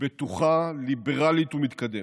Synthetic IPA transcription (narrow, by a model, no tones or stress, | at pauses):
bet̪uχalibeʁalit̪umit̪kad̪e